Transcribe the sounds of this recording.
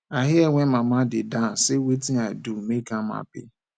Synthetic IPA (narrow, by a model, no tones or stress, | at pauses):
aɦɪeŋʷemamadɪdasɪwetiadumekama̰pɪ̰